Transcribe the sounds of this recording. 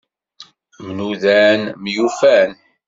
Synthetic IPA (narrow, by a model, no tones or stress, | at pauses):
mnuðænmjufæn